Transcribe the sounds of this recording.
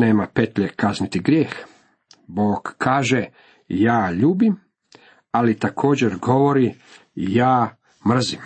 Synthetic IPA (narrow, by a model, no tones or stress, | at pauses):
neːmape̞t̪ʎekaznit̪iɡɾjeːx | boːɡ̥kʰaːʒe | jaːʎuːbim | alit̪akʰo̞ːd͡ʑeɾɡo̞ʋo̞ɾijaː | mr̩zim